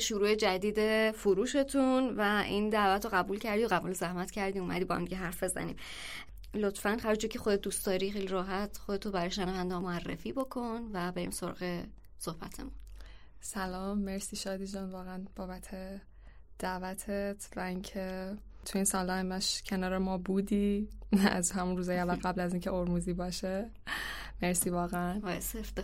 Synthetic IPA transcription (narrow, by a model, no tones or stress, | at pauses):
ʃuɾuːe̞d͡ʒæd̪iːd̪e̞fuɾuːʃe̞t̪ʰunvæʔind̪ævæt̪ɾoɣæbuːlcʰæɾd̪ioɣæbuːlozæhmæt̪cʰæɾd̪iːumæ̰d̪ibɒːhæ̰md̪iɟeɦæɾfbe̞zæ̰nḭːm | lot̪fænhæɾd͡ʒuːcʰe̞xod̪ed̪uːst̪ɒːɾixejliɾɒːɦæt̪ʰχod̪e̞t̪ʰobæɾɒːjʃenævænd̪ɒmoærːḛfiːbokʰo̞nvæbe̞ɾḭːmsoɾɒ̰ɣe | sohb̥æ̰t̪ʰe̞̰musælɒːmːe̞ɾsiːʃɒːd̪iːd͡ʒɒːnvɒːɣeænb̥ɒːbæt̪ʰe | d̪̥ævæt̪ʰet̪ʰvæincʰet̪ʰuiːnsɒnlɒemæʃcʰe̞nɒːɾemɒːbuːd̪iːæzhæmunruːzɒːjeævːælɣæblæziːncʰeoɾmuːziːbɒːʃe | me̞ɾsiːvɒːɣeænɒesefd̪